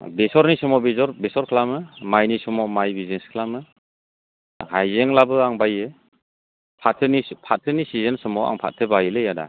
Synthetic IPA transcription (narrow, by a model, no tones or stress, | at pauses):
besɔɾnisumɔbezɔɾbesɔɾkʰlamɯmajnisumɔmajbizeskʰlamɯ | hajzeŋlabɯaŋbajɯ | pʰatʰɯnipʰatʰɯnisizensɯmɔa̰ŋpʰa̰t̚tʰɯbajlɯjada̰